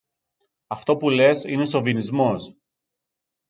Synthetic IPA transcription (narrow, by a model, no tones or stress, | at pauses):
ɐft̪o̞pule̞sine̞so̞vinizmo̞s